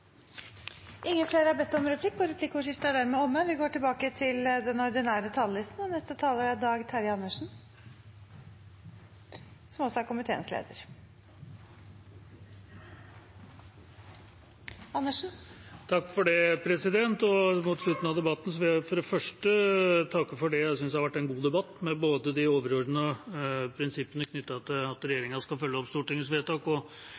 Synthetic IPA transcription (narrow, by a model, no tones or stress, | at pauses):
ʔɪŋːəfleːɾəhæɾbɛt̪ːɔmɾɛpʰlɪkːɔɾɛpʰlɪkːʊʂɪft̪əæɖ̪æːɾmɛɔmːəʋɪɡoːʈɪlbɑːkət̪ʰɪld̪ɛnɔɾd̪ɪnæːɾət̪ʰɑləlɪst̪n̩ɔnɛst̪ət̪ʰɑːləɾæd̪ɑːɡt̪ʰæɾjɑnːəʂɳ̩ | sɔmɔsɔæɾkʊmɪt̪ʰḛːənslḛːd̪ə̰ɾ | ɑnːəʂn̩t̪ʰɑkːfɔɖɛpʰɾɛsɪd̪ɛnt̪ɔmuːt̪sɭʉt̪ːn̩ɑʋd̪ɛbɑt̪ːn̩sɔʋɪfɔɾd̪ɛfœʂʈət̪ʰɑkːəfɔɖɛjæɪsʏnsd̪ɛhɑʋæʈːɛnɡuːd̪ɛbɑt̪ːmɛboːd̪əd̪ɪoːʋəɾɔɾd̪nəɔpʰɾɪnsɪpːənəkʰnʏt̪ːɑɑt̪ɑt̪ɾɛjeːɾɪŋɑʂkɑfœljəɔpst̪uːʈɪŋːəsʋeːt̪ɑːkɔ